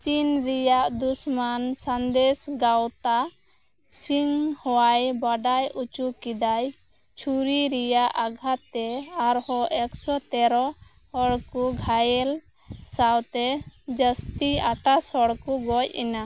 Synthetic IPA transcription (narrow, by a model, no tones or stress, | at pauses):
t͡ʃinɾijaʔd̪usmansand̪ɛsɡawt̪a | siŋhɔwajbaɖajut͡ʃukid̪aj | t͡ʃʰuɾiɾijaʔaɡʱat̪ɛaɾhɔʔɛksɔt̪ɛɾɔ | hɔɽkuɡʱajɛl | sawt̪ɛd͡ʒəst̪iaʈasɔɽkuɡɔcḭna